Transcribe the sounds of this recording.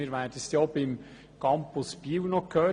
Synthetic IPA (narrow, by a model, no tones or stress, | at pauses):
iːɾʋæːrd̥əstjɔbɪm | kɑmpʊspiːwnɔkʰøː